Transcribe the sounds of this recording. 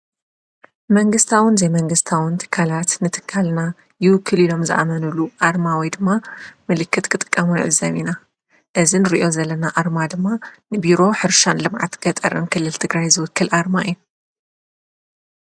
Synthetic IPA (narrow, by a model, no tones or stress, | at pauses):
mɐŋɡɨst̪ʰawɨnzemɐŋɡɨst̪ʰawɨnt̪ʰɨ̥kʰːalat̪nɨt̪ʰɨ̥kʰːalna | jɪwɨkʰːɨlilo̞mzɨ̰ʔa̰mɐnuluʔaɾmawɔjd̪ɨmːamɨlɨkːɨt̪kʰɨt̪ʼɨ̥kʼːɐmunɨʕɨzːɐmina | ʔɨzinɨɾḭʔo̞zɐlːɐnaʔaɾmad̪ɨmːanɨbiɾo̞ħɨɾʃanlɨmʕa̰t̪ɡ̥ɐt̪ʼɐɾɨnkʰɨlːɨlt̪ʰɨɡɾajzɨwʊkʰːɨlʔaɾmaʔɨjːu